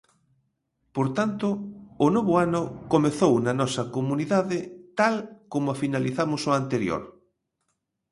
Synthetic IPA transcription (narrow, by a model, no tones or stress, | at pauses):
poɾt̪ant̪ʊːnoβʊanʊkomeθownɐnɔsɐkomuniðaðɪt̪alkomʊafinaliθamosoant̪eɾjo̰ɾ